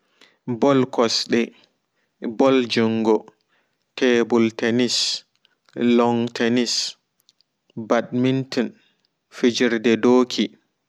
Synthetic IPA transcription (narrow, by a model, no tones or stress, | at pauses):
bɔlkɔsɗɛ | bɔld͡ʒuŋɡɔ | tʰɛbultɛnis | lɔŋtʰenis | badmintɔn | fid͡ʒiɾdɛdoːkʰi